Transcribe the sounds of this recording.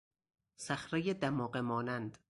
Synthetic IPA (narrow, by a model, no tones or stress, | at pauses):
sæxɾejed̪æmɒːɢemɒːnænd̪